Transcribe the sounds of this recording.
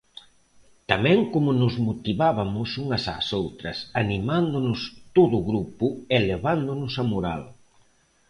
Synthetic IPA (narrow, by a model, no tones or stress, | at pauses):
t̪amɛ̃ŋkomʊnʊzmot̪iβaβamʊsuŋɐsa̰sowt̪ɾɐsanimand̪ʊnʊst̪oðʊɣɾupʊeleβand̪ʊnʊsamoɾa̰l